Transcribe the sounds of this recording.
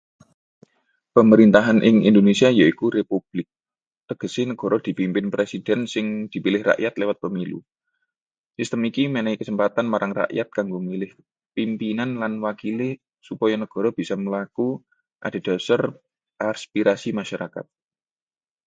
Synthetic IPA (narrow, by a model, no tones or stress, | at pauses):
pəməɾint̪aɦanʔiɪ̰ŋḭnd̪onesiajaikuɾepub̥lɪk̚ | t̪əɡ̥ə̤sɪnəɡ̥ɔ̤ɾɔd̪̥i̤pimpɪnpɾesid̥ɛ̤nsɪŋd̪̥i̤pilɪhra̰ʔjat̪lewat̪̚pəmilṵ | sist̪əmikimenɛikəsəmpat̪anmaɾaŋra̰ʔjat̪̚kaŋɡomilɪh | pimpinanlanwakilɪ | supɔjanəɡ̥ɔ̤ɾɔb̥isɔməlaku | ʔa̰d̥a̤d̪̥ɔ̤sar | ʔaspiɾasimaʃaɾaka̰t̪̚